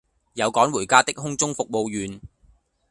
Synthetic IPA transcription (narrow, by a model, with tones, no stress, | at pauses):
jɐ˨˧wkɔː˨˥ŋwuː˨˩jkaː˥t̪ɪ˥k̚ɦʊ˥ŋt͡sʊ˥ŋfʊ˨k̚mo˨˧wjyː˨˧n